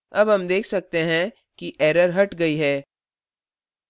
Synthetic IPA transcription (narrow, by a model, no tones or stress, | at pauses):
ɐbɦɐmd̪eːkʰsɐk̚t̪eɦɛ̃ | kiʔɛːɾəɾɦɐʈɡɐiɦɛː